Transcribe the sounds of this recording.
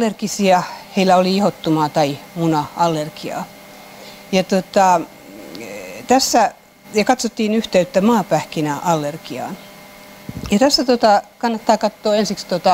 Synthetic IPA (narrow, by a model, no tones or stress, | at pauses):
lːerkisiɑheilːˑæoliihot̪ːumɑːt̪ɑimunɑɑlːerkiɑ̰ː | jɑt̪ot̪ɑ | t̪æsːæ | jɑkɑt̪sot̪ːiːnyht̪eyt̪ːæmɑːpæhkinæɑlːerkiɑ̰ːn | jɑt̪æsːæt̪ot̪ɑkɑnːɑt̪ːɑːkɑt̪ːoːensikst̪ot̪ɑ